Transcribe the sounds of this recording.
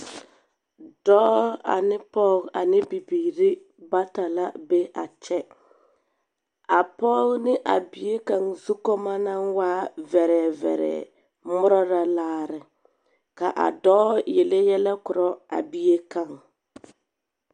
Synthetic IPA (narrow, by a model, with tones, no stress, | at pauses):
d̥ɔː˦a̰˨nɪ˦pɔ˦ɣa˨nɪ˦bi˨biː˨ɾi˦ | ba˦ta˨la˦be˦a˨t͡ʃɛ˦ | a˨pɔ˦ɣnɪ˦ʔa̰˨bi˨je˦ka˨ŋzu˦kɔ˦ma˦na˦ŋwaː˦vɛ˨ɾɛ˨vɛ̰˨ɾɛ̰ː˨ | mʊ˦ɾɔ˦ɾa˦laː˦ɾɪ˨ | ka˨ʔa̰˨dɔː˦je˨le˦jɛ˦lɛ˦kʊ˨ɾɔ˦a̰˨bi˦e˦ka˨ŋ